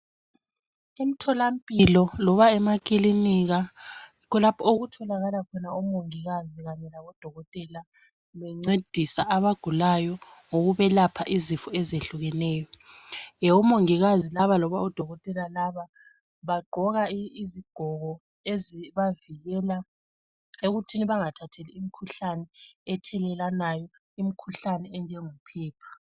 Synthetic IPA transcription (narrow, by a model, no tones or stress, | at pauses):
em̩tʰɔlam̩pʼilɔlɔβaɛmakʼiliniɣaikʰɔlapʰɔoɣutʰɔlaɣalakʰɔnaumoŋiɣaziɣaɲɛlaβɔd̥ʱɔɣɔtʼɛla | βɛŋ͡ǀed̥ʱisaaβaɡ̥ʱulajɔ | ŋoɣuβɛlapʰaʔizifɔɛzeɬuɣɛnɛːjɔ | ɛumoŋiɣazilaβalɔβaɔd̥ʱɔɣɔtʼɛlalaβa | βaɡ͡ǃʱɔɣaiziɡ̥ʱɔɣɔ | eziβaviɣɛːla | eɣutʰiniβaŋatʰatʰeliim̩kʰuɬanɛɛtʰɛlɛlanajɔ | im̩kʰuɬanɛɛnd͡ʒʱɛŋum̩pʰɛːpʰḁ